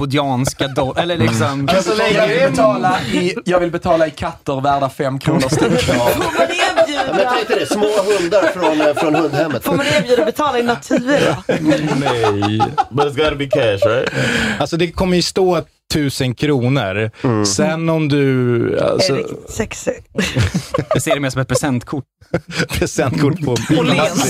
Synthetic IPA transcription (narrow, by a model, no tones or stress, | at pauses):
ʊd̪ɪɑːnsskad̪ɔʔɛlːəɭɪːksɔmasɔlɛɛt̪ʰɑːlaɪjɑːɡvɪlbɛt̪ʰɑːlaɪkʰat̪ːəɾvæːɖafɛmːkʰɾuːnəɾst̪foːmaːjʉmɛɛɪt̪əd̪ɛsmoːɦɵnd̪aɾfɾɔnfɾɔnhɵnd̪hɛmːət̪foːmaneːbjʉːd̪abɛt̪ʰɑːlaɪnat̪ʰʉ̟ːɾnɛjbɾɪts̬ɡɔɾəbikʰæʃaɪalsɔd̪ɛkʰɔmːəɾjɵst̪oː | t̪ʰːʉ̟ːsənkʰɾuːnəɾsɛnːɔmd̪ɵa̰lsɔ̰ɛks | daseːɾɛmeːʂɔmɛt̪̚pʰɾɛsɛnt̪kʰʊʈːpʰɾɛsɛnt̪kʰʊʈːpʰɔa